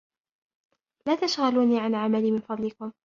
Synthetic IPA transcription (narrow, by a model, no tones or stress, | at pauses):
laːt̪aʃɣaluːniːʕanʕamaliːmɪnfɑd̪ˤlɪkʊm